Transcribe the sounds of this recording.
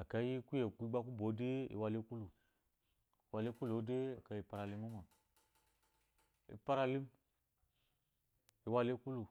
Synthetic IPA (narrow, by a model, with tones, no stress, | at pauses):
a˨ka˨˦ji˦ku˦je˨ku˦i˦ɡ͡ba˦ku˦bo˨˦de˦ḭ˨wa˦li˦ku˦lu˨ | wa˨li˦ku˦lo˨˦de˦a˨ka˨ji˨pa˨ɾa˨li˦ma˦ma˨ | ḭ˨pa˦ɾa˦li˦m | i˨wa˦li˦ku˦lu˨